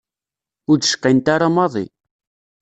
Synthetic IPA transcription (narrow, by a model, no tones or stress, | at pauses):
ʊɾd̪ʃə̥qːint̪aɾamɑðˤḭ